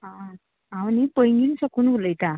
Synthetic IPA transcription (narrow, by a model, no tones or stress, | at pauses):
ɦa | awnipəjŋɡinsəkunɡuləjt̪a